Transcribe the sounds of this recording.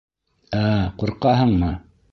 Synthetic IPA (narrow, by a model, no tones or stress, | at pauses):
æquɾqɑɦɤɴmɤ